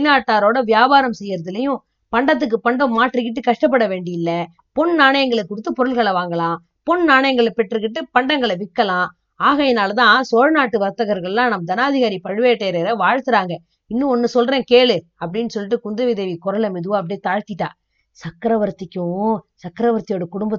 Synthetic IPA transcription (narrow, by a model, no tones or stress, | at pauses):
naːʈːaːɾoːɽɐʋɪjaːbaːɾɐmsɛjːɪɾɐðɪlɐjʊ̃ | pɐɳɖɐt̪̬ːɯk̬ːɯpɐɳɖɐmaːʈrɯk̬ːɪʈ̬ːɯkɐʂʈɐp̬ːɐɽɐʋeːɳɖɪjɪlːɐ | pɔɳnaːɳɐjɐŋɡɐɭɛkːʊɽɯt̪ːɯpɔɾɯɭɣɐɭɐʋaːŋɡɐɭãː | pɔɳnaːɳɐjɐŋɡɐɭɛpɛʈrɯk̬ːɪʈːɯpɐɳɖɐŋɡɐɭʋɪkːɐlãː | aːɣɐɛnaːlɐt̪ãːsoːɻnaːʈːɯʋɐɾt̪ːɐɣɐɾɣɐɭɛlãːnɐmːɐd̪ɐnaːðɪɣaːɾipɐɻɯʋeːʈːeːɾeːɾɐʋaːɻt̪ɯɾaːŋɡɐ | ɪnːɯ̃ɔnːɯsɔlɾẽːkeːɭɯ | ɐpːɐɽɪnːɯsɔlːɪʈ̬ːɯkʊnd̪ɐʋɪðɐʋikɔɾɐlɐmɪðɯʋaɐp̬ːɐɽit̪aːɻt̪ːɪʈːã̰ː | sɐkːɾɐʋɐɾt̪ːɪkʲːʊ̃sɐkːɪɾɐʋɐɾt̪ɪjoːɽɐkʊɽʊmbɐ